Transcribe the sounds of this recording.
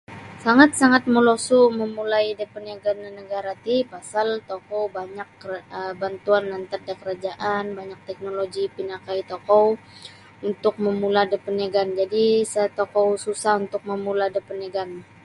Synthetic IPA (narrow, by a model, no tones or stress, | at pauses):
saŋat̪̚saŋat̪̚məlosuməmulajdəpənaɡanənəɡaɾat̪ipasalt̪okowbaɲakːəbant̪uanːant̪ərdakəɾad͡ʒaʔanbaɲak̚t̪ɛk̚noloɡipinakait̪okɔw | unt̪ʊk̚məmuladəpəneɡand͡ʒadisət̪okowsusahunt̪ʊk̚məmuladəpəneɡan